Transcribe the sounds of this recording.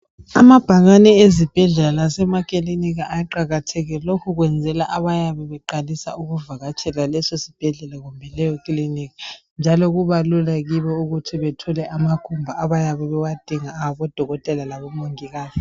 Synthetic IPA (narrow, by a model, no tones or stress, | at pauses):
amab̥ʱaɣanɛezib̥ʱɛɮɛlalasɛmakʼiliniɣaʔajiǃaɣatʰɛɣɛlokʰuɣwɛnd͡zʱɛlaʔaβajaβɛβɛǃalisa̰uɣuvaɣat͡ʃʰʼɛlalɛsosi̥b̥ʱɛɮɛlaɣumbʱɛlɛjɔkʼiliniɣa | nd͡ʒʱaloɣuβalulaɣiβɔuɣutʰiβɛtʰɔlɛʔamakʰumbʱaʔaβajaβɛβɛwad̥ʱiŋaːβɔd̥ʱɔɣɔtʼɛlalaβɔmoŋiɣaːzi